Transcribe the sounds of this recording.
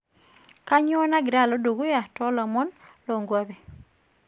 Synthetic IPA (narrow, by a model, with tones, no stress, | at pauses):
ka˦ɲɔ˦na˦ɡɪɾa˦˨lɔ˦do˨ɡo˦ja˨tɔ˦lɔ˨mɔ˦nlɔ˨ŋɡwa˦be˨